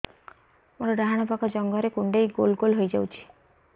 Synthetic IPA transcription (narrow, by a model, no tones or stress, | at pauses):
moɾɔɖaɦaɽ̃ɔpakɔd͡ʒɔŋɡɔɾekuɳɖejɡolɡolɦojd͡ʒawt͡ʃʰi̥